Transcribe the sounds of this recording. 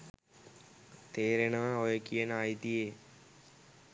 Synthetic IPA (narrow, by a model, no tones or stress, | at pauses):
t̪eːɾenãːojəkiənaːit̪ieː